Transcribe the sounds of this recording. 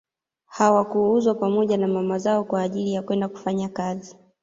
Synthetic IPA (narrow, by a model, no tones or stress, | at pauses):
hawakuuzwapamɔʄanamamazaɔkwaːʄilijakwɛndaku̥faɲakazi